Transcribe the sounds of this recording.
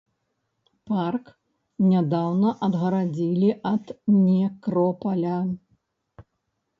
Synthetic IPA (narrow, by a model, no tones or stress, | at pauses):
park | nʲad̪awnɐʔɐd̪ɣɐɾad͡zʲilʲiʔɐd̪nʲɛkɾɔpɐlʲa